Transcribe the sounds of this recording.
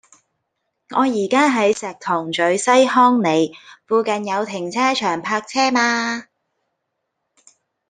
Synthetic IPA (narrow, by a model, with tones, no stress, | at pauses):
ŋɔː˨˧jiː˨˩kaː˥ɦɐ˨˥jsɛː˨k̚t̪ʰʊ˨˩ŋt͡ʃɵ˨˥ɥsɐ˥jhɔː˥ŋne˨˧jfuː˧kɐ˨njɐ˨˧wt̪ʰɪ˨˩ŋt͡sʰɛː˥t͡ʃʰœː˨˩ŋpʰaː˧k̚t͡sʰɛː˥maː˧